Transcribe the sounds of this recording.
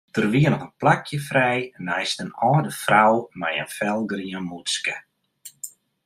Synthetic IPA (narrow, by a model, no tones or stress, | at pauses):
d̥ərʋiənɔpənplakʰjəfrɛjnajstənɔːdəfrawmajə̰nfɛlˠɡriənmutskə